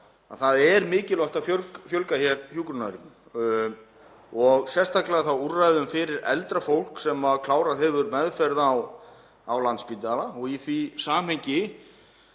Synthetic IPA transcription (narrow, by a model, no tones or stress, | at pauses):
a̰ðθaðɛɾmɪːcɪlɔht̪afjœlkfjœlkaçɛɾhjukɾʏnaɾi | ɔɣsɛst̪aklɪaθawurːajðʏmfɪɾɪɾɛ̰lt̪ɾafowl̥ksɛmaðkʰlaːwɾaðɦɛvʏɾmɛðfɛɾðaːw | awlant̪spit̪alaɔɣiθvisaːm̥hejɲcɪ